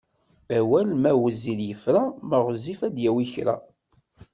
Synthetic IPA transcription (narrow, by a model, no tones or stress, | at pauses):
æwælmæwəziljəfɾaməʁzifæd̪jæwiçɾæ̰